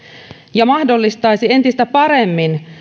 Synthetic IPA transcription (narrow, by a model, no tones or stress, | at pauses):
jɑmɑhdo̞lːist̪ɑjsie̞nt̪ist̪æpɑɾe̞mːin